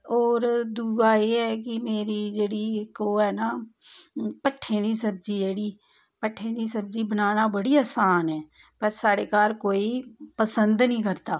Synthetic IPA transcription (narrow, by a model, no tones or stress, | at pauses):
ɔːɾd̪uːɡaːeːɛːkɪmeːɾiːd͡ʒeːɽiːɪkoːɦɛːnaː | pəʈʰːẽːd̪iːsəb̚d͡ʒiːd͡ʒeːɽiː | pəʈʰːẽːd̪iːsəb̚d͡ʒiːbənaːnaːbəɽiːaːsaːnɛː | pəɾsaːɽeːkaːɾkoːiːpəsənd̪nĩːkəɾt̪aː